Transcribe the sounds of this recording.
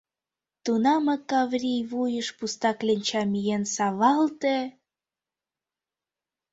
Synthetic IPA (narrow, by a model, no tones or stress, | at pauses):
t̪unɑmɤkɑvrʲijβujəʃpust̪ɑklʲenʲt͡ɕɑmijensɑβɑlt̪e